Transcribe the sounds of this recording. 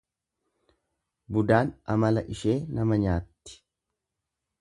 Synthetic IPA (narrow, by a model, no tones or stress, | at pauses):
bʊd̪aːnɐmɐlɐʔɪʃe̞ːnɐmɐɲaːt̪ːɪ̥